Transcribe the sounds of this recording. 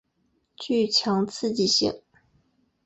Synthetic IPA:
t͡ɕy˥˩t͡ɕʰjɑ˧˥ŋt͡sʰɹ̩˥˩˨t͡ɕi˥˩ɕɛ̰˨˩˦ŋ

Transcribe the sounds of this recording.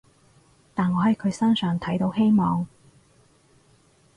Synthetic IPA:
t̪aː˨˩nŋɔː˨˧hɐ˨˩jkʰɵ˨˧ɥsɐ˥nsœː˨ŋt̪ʰɐ˨˥jt̪o˨˧˥whe˥jmɔː˨ŋ

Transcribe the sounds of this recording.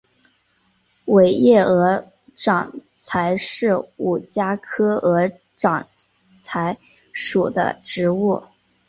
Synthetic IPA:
we˨˩ɪjɛ˥˩ɤ˧˥ | ʈ͡ʂɑ˨˩ŋ | t͡sʰa˧˥ɪʂɻ̩˥˩u˨˩t͡ɕja˥kʰɤ˥ɤ˧˥ | ʈ͡ʂɑ˨˩ŋ | t͡sʰa˧˥ɪ | ʂu˨˩d̪ə̰˦ʈ͡ʂɻ̩˧˥u˥˩

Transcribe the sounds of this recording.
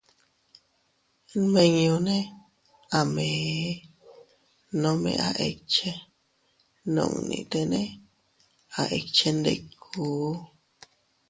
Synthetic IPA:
mẽ˧ɲõ˧nẽ˦ | a˨mẽ˨˦ | nõ˧˦mḛ̃˧ʔa˦ʔe˧t͡ʃe˦ | nõ̰˧˨ŋ˨nḭ̃˧˨t̪e˧nẽ˦ | a˨ʔe˧t͡ʃe˧nd̪ḛ˧kʰuː˨˦

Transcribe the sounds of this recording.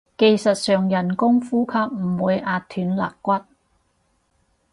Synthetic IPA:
ke˨jsɐ˨t̚sœː˨ŋjɐ˨˩nkʊ˥ŋfuː˥kʰɐ˥p̚m̩˨˩wuː˨˧jʔaː˧t̚t̪ʰyː˨˥nla̰ː˨k̚kːʷɐ˥t̚

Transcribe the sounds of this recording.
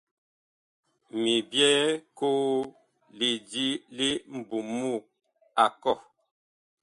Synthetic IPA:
mi˨bjɛ˦koː˦ | li˨di˦li˦m̩˨bu˨mu˦˨k̚ | a˨kɔ˦˨

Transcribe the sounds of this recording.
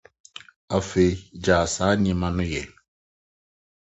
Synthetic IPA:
a˨fe˨d͡ʒaː˨sa˨˦ɲe˦ma˦nʊ˦jɛ̰˨

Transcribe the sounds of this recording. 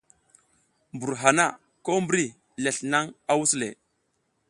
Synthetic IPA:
mbu˨ɾɦa˨na˦˨ | ko˦mbɾi˦ | le˨ɬna˦ŋa˨wu˦slḛ˨

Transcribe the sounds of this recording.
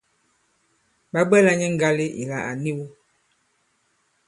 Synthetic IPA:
ba˦ɡ͡bɛ˦la˦ɲɛ˦ŋ̩˦ɡa˦le˦ʔḭ˨la̰˨a˨ni˦wu˦

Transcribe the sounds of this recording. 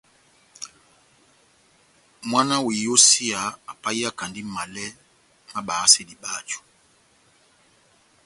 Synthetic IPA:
mwa˦na˦wi˨jo˦si˦a˨a˨pa˦i˦a˦ka˨ndi˦m̩˦ma˨lɛ˦ | ma˦ɓa˨a˦sɛ˦di˨ɓa˦˨t͡ʃu̥˨

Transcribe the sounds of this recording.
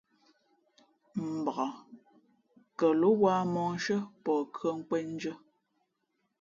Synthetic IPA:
m̩˨ba˨ɣa˨ | kə˨lo˦waː˦mɔː˦n˦ʃə˦pɔː˨kɰə˦ŋ̩˦kwɛ˦n̩˦d͡ʒə˦

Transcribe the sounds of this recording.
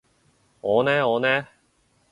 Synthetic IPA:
ŋɔː˨˧nɛː˥ŋɔː˨˧nɛː˦˥

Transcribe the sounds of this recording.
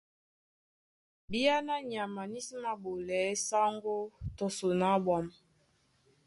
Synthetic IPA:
bi˦ja˦na˦ɲa˨ma˨ni˦si˦ma˦bo˨lɛ˨˦sa˦ŋɡo˦tɔ˨so˨na˨˦bwa˨m

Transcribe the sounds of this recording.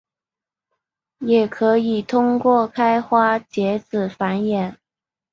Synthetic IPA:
jɛ˨˩kʰɤ˧˥i˨˩t̪ʰʊ˥ŋkwɔ˥˩kʰa˥ɪxwa˥t͡ɕjɛ˧˥t͡sɹ̩˨˩fa˧˥njɛ˨˩˦n

